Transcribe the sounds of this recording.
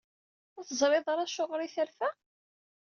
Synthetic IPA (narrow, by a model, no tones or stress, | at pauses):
æθəzˤɾˤeðˤɑɾˤɑʃːʊʁɾiθælfæ